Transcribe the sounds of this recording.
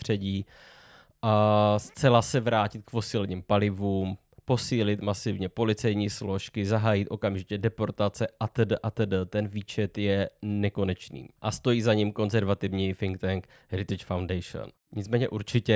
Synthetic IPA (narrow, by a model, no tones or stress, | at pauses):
t̪r̝̥ɛɟiː | ʔast͡sɛlasɛvɾaːcɪt̪̚kpo̞siːlɛɲiːmpalɪvuːm | po̞siːlɪt̪masɪvɲɛpo̞lɪt͡sɛjɲiːslo̞ʃkɪzaɦaːjɪt̪ʔo̞kamʒɪcɛdɛpo̞ɾt̪at͡sɛʔat̪ədəʔat̪ədət̪ɛnviːt͡ʃɛt̪jɛnɛko̞nɛt͡ʃnḭːʔast̪o̞jiːzaɲimko̞nzɛɾvat̪ɪvɲifɪŋk̚t̪ɛŋk | ɾɪt̪ɪt͡ʃfawndɛjʃo̰n | ɲɪt͡smɛːɲɛʔuɾt͡ʃɪcɛ